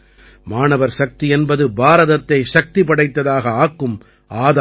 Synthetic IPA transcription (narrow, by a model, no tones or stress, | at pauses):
maːnɐʋɐɾsɐk̚t̪iɛnbɐðɯbaːɾɐðɐt̪ːɐɪʂɐk̚t̪ipɐɽɐɪt̪ːɐðaːɣɐaːkːɯm | ʔaːða